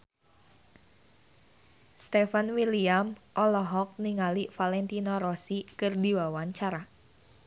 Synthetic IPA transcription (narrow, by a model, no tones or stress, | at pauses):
st̪ɛfanwiliamʔɔlɔɦɔk̚niŋalifalɛnt̪inɔɾɔsikɨrdiwawaɲt͡ʃaɾa